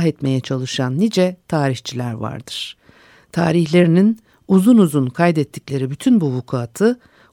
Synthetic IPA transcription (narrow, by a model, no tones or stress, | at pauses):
ɦɛt̪me̞jɛt͡ʃʰalˠɯʃanːid͡ʒɛt̪ʰaːɾiçt͡ʃʰilʲæɾva̰ɾd̪ɯɾ̥ | t̪ʰaːɾiçlʲe̞ɾinin | uzunuzunkʰajd̪ɛt̪ʰːiclʲe̞ɾibyt̪ʰynbuvukʰaːt̪ʰɯ